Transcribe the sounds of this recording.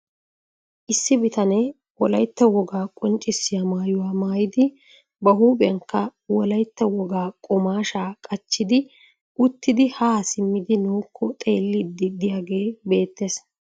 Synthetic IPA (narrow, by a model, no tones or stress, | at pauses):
ʔɪsːɪbɪt̪ɐnɛ | wɔlɐjt̪ːɐwɔɡaːkʼɔnt͡ʃʼːɪsːɪjɐmaːjʊwaːmaːjɪd̪ɪ | bɐɦuːbʼɐŋkːɐwɔlɐjt̪ːɐwɔɡaːkʼɔmaːʃaːkʼɐt͡ʃːɪd̪ɪ | ʔʊt̪ːɪd̪ɪhaːsɪmːɪd̪ɪnoːkʰːɔt̪ʼe̞ːlːɪd̪ːɪd̪ɪjaːɡe̞ːbe̞ːt̪ːeːs